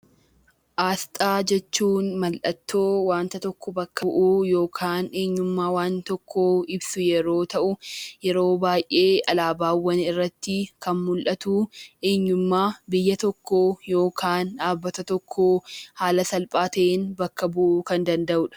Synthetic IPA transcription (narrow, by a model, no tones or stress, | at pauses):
ʔaːst̪ʼaːd͡ʒɛt͡ʃːuːnmɐlʔɐt̪ːo̞ːwaːnt̪ɐt̪ɔkːɔbɐkːɐʔujo̞ːkʰaːne̞ːɲːʊmːaːwaːnt̪ɔkʰːoːɪbsʊjɛɾo̞ːt̪ɐʔʊjɛɾo̞ːbaːjʔːe̞ːɐlaːbaːwːɐnɪrːɐt̪ːɪkɐnmʊlʔɐt̪uːʔe̞ːɲːʊmːaːbɪjːɐt̪ɔkʰːoːjo̞ːkʰaːnaːbːɐt̪ɐt̪ɔkʰːoːhaːlɐsɐlpʼaːt̪ɐʔeːnbɐkːɐbʊʔʊkɐnd̪ɐnd̪ɐʔʊᶑɐ̥